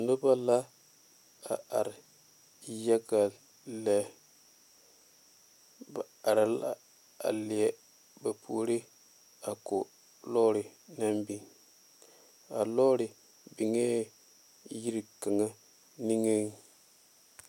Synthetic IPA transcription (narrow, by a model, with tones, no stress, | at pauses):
nu˦ba˦la˦ | a̰˨a̰˨ɾ | ja˦ɡa˨ | lɛ˦ | ba˨a˨ɾa˨la˦ | a̰˨li˨ɛ˨ | ba˨pʰṵ˨˦ɾi˦ | a˨ko˨ | lɔ˦ɾi˨na˦mbi˨ŋ | a˨lɔ˦ɾi˨ | bi˨ŋe˦ | ji˦ɾi˨ka˨ŋa˦ | ni˦ŋe˦ŋ